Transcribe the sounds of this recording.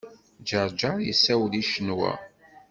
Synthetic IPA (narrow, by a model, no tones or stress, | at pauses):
d͡ʒəɾˤd͡ʒɑɾˤjəsæwliʃənwæ̰